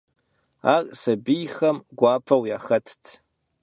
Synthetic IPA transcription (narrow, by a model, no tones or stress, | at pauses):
arʼsɐbijxɐmɡʷaːpʰɐwjaxɐtʰtʰ